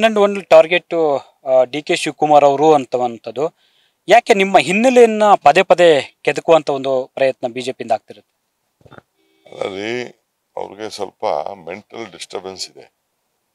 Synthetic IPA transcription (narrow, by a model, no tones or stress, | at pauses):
nːeɳɖuoɳɖʈaːɾɡeʈːu | ɖiːkeʃukumaːɾɐʋɐɾuɐnt̪ɐʋɐnt̪ɐd̪u | jaːke̞nimːɐɦinːilejɐnːɐpɐd̪epɐd̪e̞ked̪ukuʋɐnt̪ʰɐond̪upɾɐjɐt̪nɐbiːd͡ʒe̞ːpind̪aːɡ̚t̪iɾɐt̪ːe̥ | ɐlɐ̰li | ɐ̰ʋ̰ɾiɡesɐ̰lpɐ̰meɳʈɐlɖisʈɐɾbensid̪ḛ